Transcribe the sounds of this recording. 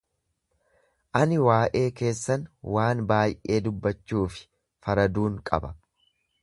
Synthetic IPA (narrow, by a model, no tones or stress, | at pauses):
ʔɐnɪwaːʔe̞ːke̞ːsːɐnwʔaːnbaːjʔe̞ːd̪ʊbːɐt͡ʃːuːfɪ̥ | fɐɾɐd̪uːŋkʼɐ̰bɐ